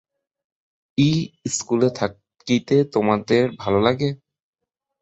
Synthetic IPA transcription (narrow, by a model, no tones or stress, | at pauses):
iskulet̪ʰa | kit̪et̪omad̪eɾbʱalolaɡe